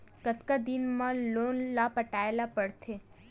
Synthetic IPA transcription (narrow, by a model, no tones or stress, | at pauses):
kət̪kad̪ɪnmãloːnlapəʈaelapəɽt̪ʰe